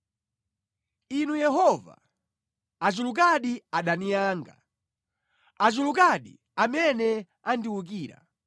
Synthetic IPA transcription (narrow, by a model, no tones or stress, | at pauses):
inujɛɦɔva̰ | at͡ʃuluk̬aɗiaɗanijaːŋɡa̰ | at͡ʃuluk̬aɗḭ | amɛnɛ | andiwuk̬iːɾa̰